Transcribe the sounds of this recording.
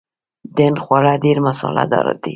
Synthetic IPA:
d̪enxwaɾadeɾmasɑ̰la̰d̪ɑ̰ɾa̰d̪i

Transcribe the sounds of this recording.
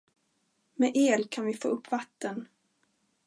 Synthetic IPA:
mɛʔeːlkʰanvɪfo̰ːʔɵpːvat̪ːən

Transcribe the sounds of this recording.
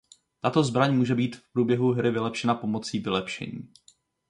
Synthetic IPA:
t̪at̪o̞zbɾaɲmuːʒɛbiːt̪fpɾuːbjɛɦuɦɾɪvɪlɛpʃɛnapo̞mo̞t͡siːvɪlɛpʃɛ̰ɲḭː

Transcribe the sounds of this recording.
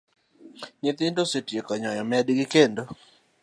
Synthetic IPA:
ɲɪt̪ɪndosetjekɔɲɔjɔmɛadɡɪkendo

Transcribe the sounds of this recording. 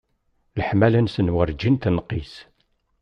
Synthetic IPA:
ləħmælənsənwəɾd͡ʒint̪nqːis

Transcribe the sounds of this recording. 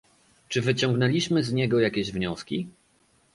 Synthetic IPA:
t͡ʂɘvɘt͡ɕɔ̃ŋɡnɛlʲiɕmɘzɲɛɡɔjakʲeʑvɲɔskʲi

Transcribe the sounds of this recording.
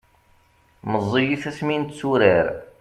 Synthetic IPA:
məzˤːijiθæsmint̪t͡sːuɾəɾ

